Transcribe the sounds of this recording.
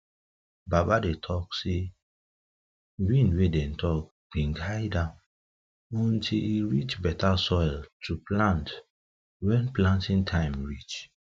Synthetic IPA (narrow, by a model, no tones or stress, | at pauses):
babadetʰɔkse | wĩnwedɛ̃ntʰɔk̚ | b̥ĩnɡajdã | ɔ̃ntʰiliɹit͡ʃbɛtasɔjltʰuplãnt | wɛ̃nplãntĩntʰãɪ̃mɹit͡ʃ